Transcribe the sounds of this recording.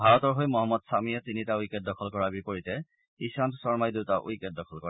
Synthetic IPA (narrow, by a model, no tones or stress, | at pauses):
bʱaɹɔtɔɹɦojmɔɦɔmːɔdsamijɛtinitaujkɛt̚dɔkʰɔlkɔɹabipoɹitɛ | isantsɔɹmajdutaʔṵjkɛt̚dɔkʰɔlkɔa